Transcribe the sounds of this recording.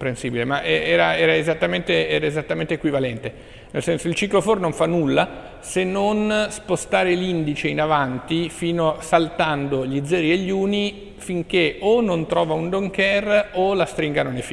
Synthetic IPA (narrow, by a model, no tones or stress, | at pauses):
pɾensiːbilemaʔɛɛːɾaɛːɾaezat̪ːament̪eɛːɾaezat̪ːament̪ekwivalɛnt̪e | nelsɛnsoilt͡ʃiklofornoɱfanːulːa | senːonspost̪aːɾelind̪it͡ʃeinavant̪ifiːnosalt̪and̪oʎid̪zɛːɾieʎːuːni | fiŋkeonont̪ɾɔːvaund̪oŋkɛrolast̪ɾiŋɡanonefi